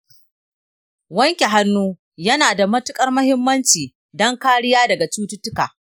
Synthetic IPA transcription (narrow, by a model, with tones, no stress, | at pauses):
wɐ˦ŋkʲe˨ɦa˦nːuː˦ | jɐ˦naː˨da˨mɐ˦tʊ˦kʼɐ˦rmɐ˦hɪ˦mːɐ˦nt͡ʃiː˨ | dɔ˦ŋkaː˦ɽɪ˦jaː˦dɐ˨ɡa˨t͡ʃuː˦tʊ˦tːʊ˦kaː˨ʔ